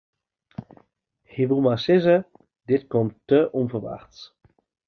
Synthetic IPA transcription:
hiʋulˠmasɪzə | dɪtkɔmtːəʔɔmvərʋa̰xt

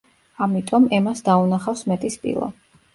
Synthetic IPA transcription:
amit̪ʼɔmɛmasd̪aunaχafsmɛt̪ʼispʼḭlˠa̰

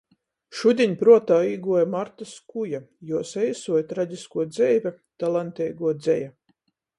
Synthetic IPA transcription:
ʃud̪ʲiɲpɾuɔt̪aːiːɡuɔjamaɾt̪askujajuɔsɛjsuɔjt̪ɾad̪ʲiskuɔd̪zɛjvʲɛ | t̪alˠant̪ɛjɡuɔd̪zɛja

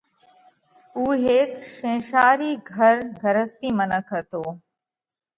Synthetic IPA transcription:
uːɦeːkʃẽːʃaːɾiːɡʱəɾɡʱəɾəst̪iːmənəkʰət̪oː

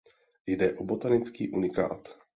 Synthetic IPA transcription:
jdɛʔobot̪anɪt͡skiːʔunɪka̰ːt̪

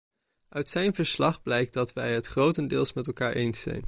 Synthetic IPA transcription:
œɥtsɛjnvəɹslɑχblɛjk̚dɑtʋɛjɦətχrowtəndɪːlˠsmɛtɛlˠkaːɹʔejnsɛ̰jn

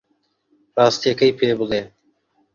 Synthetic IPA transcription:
ɾɑːst̪jekəjpʰeːbʊleː

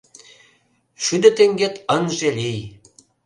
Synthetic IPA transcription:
ʃyd̪ĕt̪eŋɡet̪ənʒelij

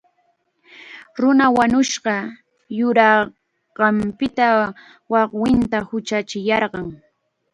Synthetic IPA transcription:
ɾʊnawaɲʊʃɢɑ | jʊɾɑ | ɢɑmpɪt̪a | wɑqwɪnt̪ahʊt͡ʃat͡ʃɪjɑɾɢɑŋ

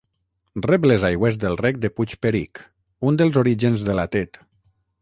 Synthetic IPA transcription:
rɛplezajɣwezd̪elˠrɛk̚d̪eput͡ʃpeɾik | und̪elˠzoɾiʒenzðelat̪et̪

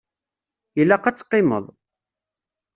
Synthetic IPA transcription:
jəlːæqæt͡sːqːɪmə̰ðˤ

